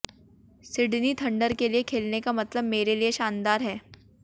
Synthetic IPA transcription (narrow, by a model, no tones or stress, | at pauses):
sɪɖnit̪ʰɐ̃ɳɖəɾkeliekʰeːlnekamɐt̪ləbmeːɾelieʃaːnd̪aːɾɦɛː